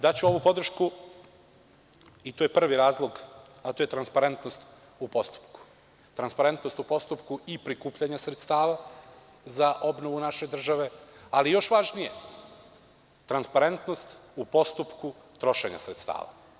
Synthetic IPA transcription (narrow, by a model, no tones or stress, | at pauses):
d̪at͡ɕuo̞ʋupo̞d̪r̩ʃku | it̪ojepr̩ʋiɾaːzlˠo̞ɡ | at̪ojt̪ɾanspaɾe̞nt̪nost̪ | upo̞st̪u̥pku̥ | t̪ɾanspaɾe̞nt̪no̞st̪upo̞st̪upkuipɾikuːpʎaɲasɾe̞t̪st̪aːʋa | zaʔo̞bno̞ʋunaʃe̞d̪r̩ʒaʋe̞alijo̞ʃʋaʒnije̞ | t̪ɾanspaɾe̞nt̪no̞st̪upo̞st̪upku | t̪ɾo̞ʃeɲa̰sɾet̪st̪a̰ːʋa̰